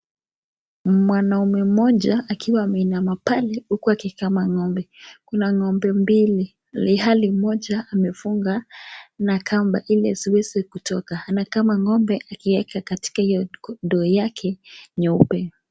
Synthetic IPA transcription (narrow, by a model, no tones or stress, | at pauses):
mwanaumɛm̩mɔʄaːkʰiwaːmɛinamapalɛukuakikamaŋɔmbɛkunaŋɔmbɛmbili | lihalimɔʄaːmɛfuŋɡanakʰamba̰ʔilɛziwɛzikutɔkahanakamaŋɔmbɛʔakiwɛkakati̥kaijɔndɔːjakʰɛɲɔupɛ